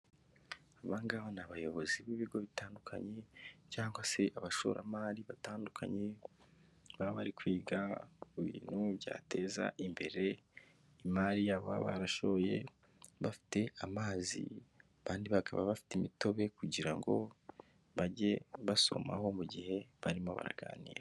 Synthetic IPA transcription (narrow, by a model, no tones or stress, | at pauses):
aβaŋɡaβanaβajo̞βo̞ziβiβiɡo̞βitaːndukʰa̰ɲe̞caːŋɡwase̞ʔaβaʃo̞̰ɾʔa̰maːɾiβataːndukʰa̰ɲe | βaβaɾikwiːɡauβḭːn̥huβja̰ːte̞ːza̰ʔimbe̞ɾe̞ | imaɾijaβoa̰βaɾaʃoje̞ | βafi̥te̞amaːzḭaβaːndiβakʰaβa̰βafi̥timito̞βe̞kuɟiɾaŋɡo̞ | βaɟe̞βaso̞̰ma̰ho̞muɟihe̞βaɾimo̞βa̰ɾa̰ɡa̰ːnḭːɾe